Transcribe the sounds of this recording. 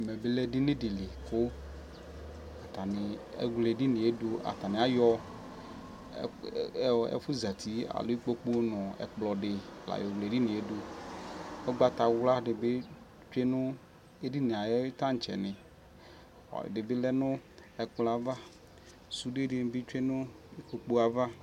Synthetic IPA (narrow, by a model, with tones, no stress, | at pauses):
me˨be˦lɛ˦dɪ˦nɪ̃˦dɪ˨li˨ko˦ | a˨t̪a˨nɪ˨ḛ˦ɡle˨ɖi˦nɪ̃˨e˦do˦a̰˨t̪a˨nɪ̃˨a˦jɔ˦˨ | ɛ̰˦fu˦za˨t̪ʰi˦a̰˨lo˦i˦k͡po˦k͡pu˦o˦nɔ̃˨ɛ̰˨k͡plɔ˨ɖɪ˨la̰˨jɔ˨wle˨di˦nɪ̃˨e˦do˦ | ɛ˦ɡ͡ba˦t̪a˨wla˦ɖɪ˨be˦ | t͡ʃe˦nʊ˦ | e˦di˦ne˨a˨jɛ˦t̪ã˦ŋ̩˨t͡ʃɛ̰˨nɪ̃˨ | ɔ̰˨dɪ˨bɪ˦lɛ˦nʊ̃˦ɛ˨k͡plɔ˨a˨va˦ | su˨de˦di˨˦˨n˦bi˦t͡ʃʷe˦nʊ̃˦ | i˦k͡po˨k͡po˦a˨va˦